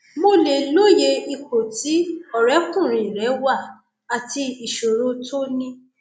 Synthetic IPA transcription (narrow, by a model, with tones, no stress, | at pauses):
mo˧le˨lo˦je˧i˧ko˨ti˨˦ɔ˨ɾɛ˨˦kũ˦˨ɾ̃ĩ˨ɾɛ˨˦wa˦˨ | a˨ti˧i˨ʃo˨ɾo˧˦tʰo˦nĩ˦